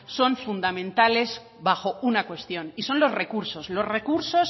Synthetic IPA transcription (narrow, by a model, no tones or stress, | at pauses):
so̞ɱfund̪amẽ̞nt̪ale̞z | βaxo̞unakwe̞st̪jo̞niso̞nlo̞zre̞kuɾso̞slo̞zre̞kuɾso̞s